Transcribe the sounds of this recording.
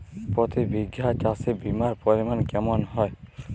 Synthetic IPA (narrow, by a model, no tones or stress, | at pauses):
pɔt̪ibiɡjat͡ʃasibimaɾpɔɾimankɛmɔnɦɔj